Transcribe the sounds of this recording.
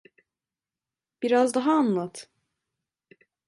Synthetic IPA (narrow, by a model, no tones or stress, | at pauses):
b̥iɾazd̪aɦaːnlˠat̪ʰ